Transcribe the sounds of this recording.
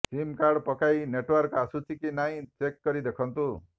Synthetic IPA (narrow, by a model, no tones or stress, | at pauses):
simkaɾɖpɔkajneʈwɔɾkasut͡ʃʰikinaĩt͡ʃekːɔɾid̪ekʰɔnt̪u